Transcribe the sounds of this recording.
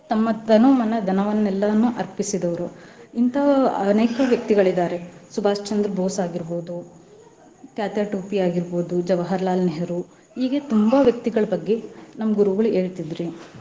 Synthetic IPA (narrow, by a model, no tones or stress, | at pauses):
t̪ɐmːɐd̪ɐnoːmɐnɐd̪ʱɐnɐʋɐnːɛlːɐnːuʔɐɾpisid̪ɐʋɐɾuint̪ʰɐɐneːkɐʋjɐk̚t̪iɡɐɭid̪aːɾe̞subʱaːst͡ʃɐnd̪ɾɐboːsaːɡiɾboːd̪u | kjaːt̪jaːʈuːpiaːɡiɾboːd̪ud͡ʒɐʋɐɦɐɾlaːlnɛɦɐɾu | iːɡe̞t̪umbɐʋjɐk̚t̪iɡɐɭɐbɐɡːe̞nɐmːɐɡuɾuʋɡɐɭue̞ːɭt̪id̪ɾi